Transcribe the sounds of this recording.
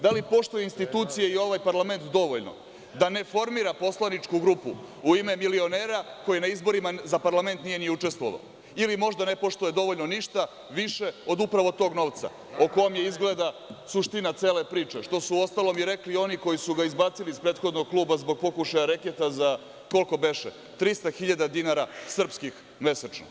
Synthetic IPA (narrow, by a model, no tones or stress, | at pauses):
d̪alipo̞ʃt̪ojeinst̪it̪uːt̪sijeio̞ʋajpaɾlame̞nt̪d̪o̞ʋoʎno̞̰ | d̪ane̞fo̞ɾmiːɾapo̞slanit͡ʃkuɡɾuːpṵuime̞milio̞neːɾako̞jenaizbo̞ɾimazapaɾlame̞nt̪nije̞nijeut͡ʂe̞st̪ʋo̞̰ʋa̰o | ilimo̞ʒd̪ane̞po̞ʃt̪uje̞d̪o̞ʋo̞ʎno̞niʃt̪a | ʋiʃe̞o̞d̪upɾaʋo̞t̪o̞ːɡno̞ːʋt̪sa̰ | oko̞jomjeizɡle̞d̪asuʃt̪inat̪se̞ːle̞pɾiːt͡ʂe̞ʃt̪osuo̞st̪alo̞miɾe̞klio̞nikojisuɡaizbaːt̪siliːspɾe̞ːt̪xo̞d̪no̞ɡ̚klˠuːbazbo̞ɡ̚po̞kuʃajaɾeket̪aza | ko̞lˠko̞be̞ʃḛ | t̪ɾist̪axiʎad̪ad̪inaɾasr̩pskix | me̞set͡ʃno̰